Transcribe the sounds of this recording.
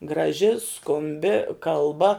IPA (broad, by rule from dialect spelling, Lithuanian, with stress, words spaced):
ɡrɐˈʒʲɪ skʊmʲˈbʲɪ kɐlˠˈbɐ